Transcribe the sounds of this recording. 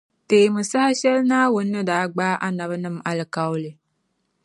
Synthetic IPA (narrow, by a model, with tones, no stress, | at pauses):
teː˨mɨ˨sa˦ha˦ʃɛ˦lnaː˦wʊ˨nː˦ɨ˦daː˨˦ɡ͡baː˦ʔa˦na˨βnɨ˦˨ma˨lɨ˨ka˨wlɨ˨